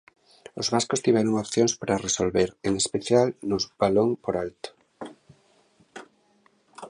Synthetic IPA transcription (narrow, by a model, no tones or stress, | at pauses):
ozβaskost̪iβeɾoŋopθjonspaɾaresolβeɾeŋespeθjalnozβaloŋpoɾalt̪o̥